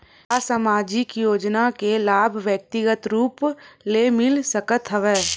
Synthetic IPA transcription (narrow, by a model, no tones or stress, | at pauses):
əsəmaːd͡ʒɪkjoːd͡ʒnakelaːbʱʋjək̚t̪ɪɡət̪ɾuːplemɪlsəkət̪ɦəʋeː